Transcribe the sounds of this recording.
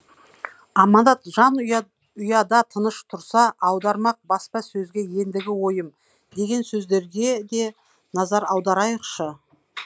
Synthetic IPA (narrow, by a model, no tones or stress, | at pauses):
ɑmɑnd̪ɑt̪ʒɑn | ʊjɑd̪ɑt̪ʰənəʃt̪ʰʊɾsɑʔɑwd̪ɑɾmɑq̚bɑspɑsɵzɡʲe̞je̞nd̪ɪɡʲɪwo̞jəm | d̪e̞ɡʲe̞nsɵzd̪e̞ɾɡʲe̞d̪e̞ | nɑzɑɾɑwd̪ɑɾɑjəqʃə